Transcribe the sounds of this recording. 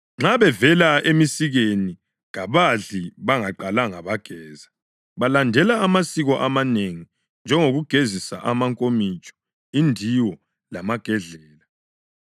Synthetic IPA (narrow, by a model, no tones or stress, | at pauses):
ŋ͡ǁaβɛvɛlaemisiɣeni | ɣaβaɮiβaŋaǃalaŋaβaɡ̥ʱɛːza | βalandʱɛlaːmasiɣɔʔamaneŋi | nd͡ʒʱɛŋoɣuɡ̥ʱezisa̰ʔamaŋkʼomit͡ʃʼɔ̥ | indʱiwɔ | lamaɡ̥ʱɛɮɛːla